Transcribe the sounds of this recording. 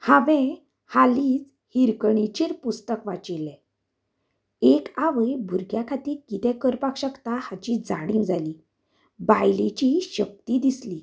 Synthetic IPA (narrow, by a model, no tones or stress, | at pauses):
haʋɛ̃ | haliːd͡z | hiɾkəɳit͡ɕiɾpust̪əkʋat͡ɕilɛ̃ | ekaʋəjbʱuɾɡjakʰat̪iːɾkit̪ɛ̃kəɾpakɕəkt̪ahat͡ɕid͡za̰ɽ̃ĩŋd͡zʱali | bajlet͡ɕiɕək̚t̪id̪isli